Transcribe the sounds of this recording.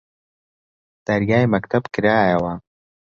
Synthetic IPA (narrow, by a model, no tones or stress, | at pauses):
d̪̥ɐɾɡaːjmɐkt̪ʰɐbkɨɾaːjɐwɐ